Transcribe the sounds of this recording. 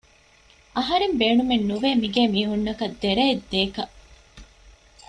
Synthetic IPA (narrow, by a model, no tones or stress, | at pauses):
ʔɐɦɐɾembeːɳumenːuʋeːmiɡeːmiːɦunːɐkɐd̪ːeɾeed̪ːeːkɐ